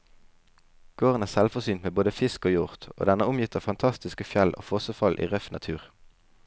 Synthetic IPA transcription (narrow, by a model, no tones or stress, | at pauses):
ɡ̥oːʁənæːʁsɛlfɔsyːnt̪meːboːd̪əfɪskoːjʊʁt̪o̰ːd̪ɛnəʊmjɪt̪ʰəfɑnt̪ʰɑst̪ɪskəfjɛlʔo̰ːfɔsəfɑlʔḭːʁœfnɑt̪ʰʉːʁ